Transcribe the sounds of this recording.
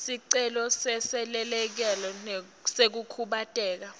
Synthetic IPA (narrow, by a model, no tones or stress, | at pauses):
siǀɛlɔsɛsɛlɛlɛk̬ɛlɔ | sek̬ukʰuɓatʼɛːk̬a